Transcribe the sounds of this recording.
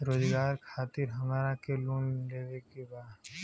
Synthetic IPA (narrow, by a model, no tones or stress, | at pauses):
ɾoːd͡ʒɡaːɾkʰaːt̪ɪɾɦɐmaɾakeluːnleːʋekebaː